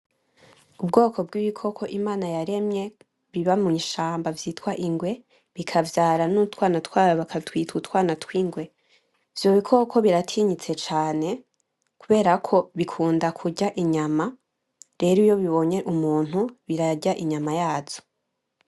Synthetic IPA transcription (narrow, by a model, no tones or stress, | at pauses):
ubɡo̞ːkʰo̞b̚ɡiːβikʰo̞kʰo̞ʔimaːnajaɾe̞mɲe̞ | βiβamuɲʃaːmbavjiːtwaʔiŋɡwe̞ | βikʰavjaːɾanutwaːnatʰwaːɾaβakʰatwiːtutwaːnatwiːŋɡwe̞ | v̥jo̞βikʰo̞kʰo̞βiɾatʰiɲit͡se̞t͡ʃaːne̞ | kuβe̞ːɾakʰo̞βikʰuːndakʰuɟaʔiɲama | ɾe̞ɾijo̞βiβo̞ɲe̞ʔumuːn̥uβiɾaɟaʔiɲamajaːz̥o̥